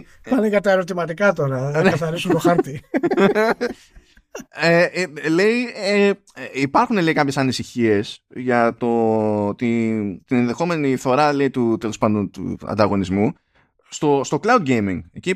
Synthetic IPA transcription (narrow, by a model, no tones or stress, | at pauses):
pɐneʝɐt̪ɐeɾo̞t̪imɐt̪ikɐt̪oɾɐnekɐθɐɾisunt̪oxɐɾt̪i | ele̞ie | eipɐɾxune̞leikɐpçe̞sɐnisiçie̞sʝɐt̪o̞t̪it̪ine̞nðe̞xo̞me̞niθo̞ɾɐle̞it̪ut̪e̞lo̞spɐnd̪o̞nt̪ṵɐ̰nd̪ɐɣo̞nizmu | st̪o̞st̪o̞klɐwd̪̚ɟejmiŋeci